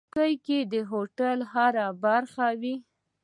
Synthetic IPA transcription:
kajked̪əɦoʈalhaɾabaɾxawi

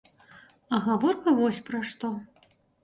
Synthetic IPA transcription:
ɐɣavɔrkɐvɔsʲpɾɐʂt̪ɔ

